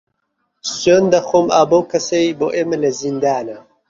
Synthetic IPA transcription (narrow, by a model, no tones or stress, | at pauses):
sond̪ɐxoːmaːbɐwkʰɐsejboːʔeːmɐlɐzind̪aːnɐ